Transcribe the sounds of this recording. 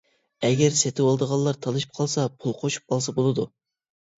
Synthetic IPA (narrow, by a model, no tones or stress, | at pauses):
ɛɡʲɛɾset̪ʰɪwolˠd̪əʁɑlˠːɑɾt̪ʰɑlˠɨʃi̥p̚qʰɑlˠsɑpʰulˠqʰoʃu̥p̚qɑlˠsɑbolˠɨd̪u